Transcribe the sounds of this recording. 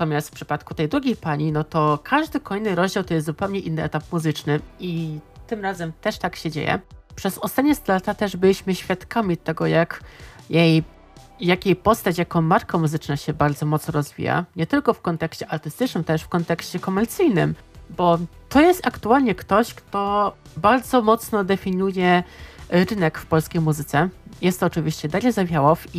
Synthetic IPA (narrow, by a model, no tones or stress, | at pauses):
t̪ɔmʲjast̪fpʂɘ̥pat̪kut̪ɛjd̪ɾuɡʲejpaɲinɔt̪ɔkʰaʐd̪ɘkɔjnɘɾɔʑd͡ʑawt̪ɔjɛst̪zupɛwɲɛʔinːɘɛt̪ap̚muzɘt͡ʂnɘit̪ɘmɾazɛmt̪ɛʂt̪akɕɛd͡ʑḛjɛ̰pʂɛzɔst̪at̪ɲɛst̪lat̪at̪ɛʐbɘlʲiɕmɘɕfʲjat̪kamʲit̪ɛɡɔjakjej | jakʲejpɔst̪at͡ɕjakɔmaɾkamuzɘt͡ʂnaɕɛbaɾd̪zɔmɔt̪snɔɾɔzvʲḭja̰ɲɛt̪ɘlkɔfkɔnt̪ɛkɕt͡ɕɛʔaɾt̪ɘst̪ɘt͡ʂnɘmt̪ɛʂfkɔnt̪ɛkɕt͡ɕɛkɔmɛɾt̪sɘjnɘmbɔt̪ɔjɛst̪akt̪ualɲɛkt̪ɔɕkt̪ɔbaɾd̪zɔmɔt̪snɔd̪ɛfʲiɲujɛ | ɾɘnɛkfpɔlskʲejmuzɘt̪sɛjɛst̪ɔt͡ʂɘvʲiɕt͡ɕɛd̪aɾʲɛzavʲjawɔfi